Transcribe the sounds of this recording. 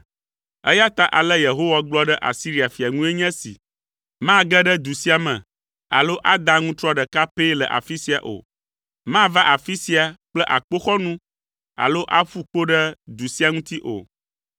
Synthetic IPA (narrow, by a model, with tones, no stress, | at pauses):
ɛ̰˦ja˦t̪a˦ʔa˨lɛ˦je˨ɦo˦wa˦ɡ͡blɔ˦ɖɛ˦ʔa̰˨si˦ɾi˦a˨fi˨a˨ŋũ˦e˦ɲɛ̃˦sḭ˨ | mã˦ɡɛ˦ɖɛ˦d̪u˨si˦a˨mɛ̰̃˨ | a̰˨lo˦ʔa˦d̪a˦ŋũ˦t̪ɾɔ˦ɖɛ˨ka˦pe˦lɛ̰˨ʔa̰˨fi˦si˦a̰˨ʔo̰˨ | mã˦va˦ʔa˨fi˦si˦a˨k͡plɛ˦ʔa˨k͡po˦xɔ˦nũ˦ | a̰˨lo˦ʔa˦ɸu˦k͡po˦ɖɛ˦d̪u˨si˦a˦ŋũ˦t̪i˦ʔo̰˨